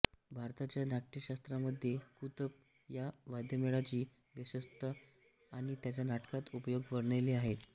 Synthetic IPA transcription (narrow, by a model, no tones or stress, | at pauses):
bʱaɾt̪at͡ɕjanaʈʈiɕast̪ɾaməd̪ʱːjekut̪əp̚ | jaʋad̪jəmeɭat͡ɕiː | ʋisəst̪ə | aɽ̃it̪jat͡ɕjanaʈkat̪upəjoɡʋəɾɳeliaɦet̪